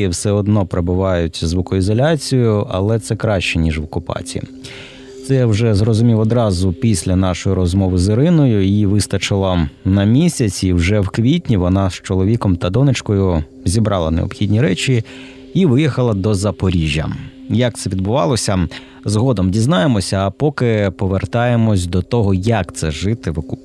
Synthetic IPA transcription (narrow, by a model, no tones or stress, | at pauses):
iwsɛɔd̪nɔpɾebʊʋɑjʊtʲzʋukɔizɔlʲat͡sʲijʊɐlˠɛt̪sɛkɾɑʃt͡ʃɛnʲiʒʋɔkʊpɑ̰t͡sʲḭḭ | t̪sɛjwʒɛzrɔzʊmʲiwɔd̪ɾɑzʊpʲisʲlʲɐnɑʃɔjiɾɔzmɔʋɪzɪɾɪnɔjʊiʋɪst̪ɐt͡ʃɪlˠɐnɐmʲisʲɐt͡sʲiwʒɛwkʋʲitʲnʲiʋɔnɑst͡ʃɔlˠɔʋʲikɔmt̪ɐd̪ɔnɪt͡ʃkɔjʊ | zʲibɾʔɑlˠɐnḛɔ̰bxʲidʲnʲiɾɛt͡ʃʲi | iʋɪjixɐlˠɐd̪ɔzɐpɔɾʲiʒʲːɐ̰ | jɐk̚t̪sɛʋʲid̪bʊʋɑ̰lˠɔsʲɐ | zɦɔd̪ɔmdʲiznɑjemɔsʲɐːpɔkɪpɔʋert̪ɑjemɔsʲd̪ɔt̪ɔɦɔjɐkt̪sɛʒɪt̪ɪʋɔk